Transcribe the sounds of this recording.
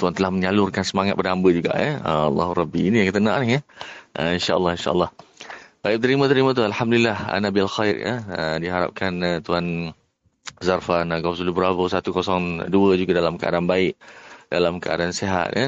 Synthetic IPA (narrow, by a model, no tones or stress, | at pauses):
t̪uant̪əlahməɲalʊrkansəmaŋat̪̚padaɦambəd͡ʒuɡa̰ʔja̰əɑlːɑ̰ɦuɾɑbiinijaŋkət̪ənãʔnɪɦjəʔəinʃaʔəlːɑhinʃa̰ʔəlːɑhbaip̚t̪əɾimət̪əɾimat̪ualhamdulilːaha̰nabialxajra̰ədiɦaɾa̰p̚kʰanət̪uan | zarfanɡɔsulubɾavosat̪ukosɔŋduəd͡ʒuɡadalamkəʔa̰daanbaɪʔdalamkəa̰daanseɦa̰t̪̚jə